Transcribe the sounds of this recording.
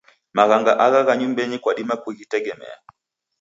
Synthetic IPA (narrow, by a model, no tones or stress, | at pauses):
maɣaŋɡaʔaɣaɣaɲumbɛɲikwaɗimakuɣitɛɡɛmɛ̰a̰